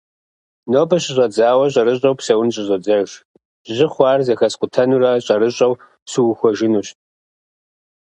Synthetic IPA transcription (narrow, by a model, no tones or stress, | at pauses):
noːbɐɕɪɕʷʼɐd͡zaːwɐɕ̬ʼɐɾɨɕʼɐwpsɐwʊnɕʼɪʑʷɐd͡zɐʒ | ʑɪχʷɑːrzɐxɐsqʷʊtʰɐnuɾɐɕʼɐɾɨɕʼɐw | suwxʷɔʒɪnuːɕ